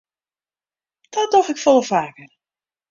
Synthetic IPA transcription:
d̥ɔdɔxɪkfɔlˠəfaːkər

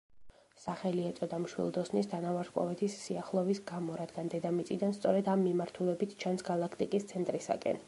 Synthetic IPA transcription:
saχɛliɛt̪sʼɔd̪amʃwḭlˠd̪ɔsnisd̪ʰanavaɾt̪kʼɔ̰vɛt̪ʰisːiaχlˠɔvisɡamɔɾad̪ɡand̪ɛd̪amit̪sʼid̪anst̪sʼɔɾɛd̪amːimaɾt̪ʰulɛbit̪ʰt͡ʃʰansɡalˠakʰt̪ʼikʼist̪sʰɛnt̪ʼɾisa̰kʼɛ̰n

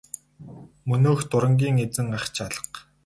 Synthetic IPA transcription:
mɵnoːxt̪ʊɾə̆ŋɡʲiːŋet͡sɘ̆ŋɢaχt͡ɕʰaɮə̥̆q

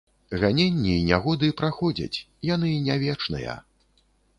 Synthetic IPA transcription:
ɣanʲenʲːiinʲaɣɔd̪ɨpɾaxɔd͡zʲɐ̰t͡sʲ | janɨnʲavʲɛt͡ʂn̪ɨ̰jɐ̰

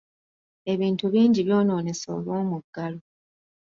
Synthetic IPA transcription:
e̞βiːntuβiːɲɟiβjo̞ːno̞ːne̞so̰ːβoːmuɡ̥alo

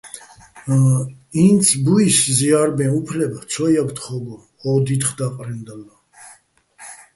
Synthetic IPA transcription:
int̪sʰbuisziaɾbɛ̃upʰlɛbat̪sʰɔjabt̪ʰχɔɡɔ | ɔd̪it̪χd̪aqʼɾɛnd̪ala

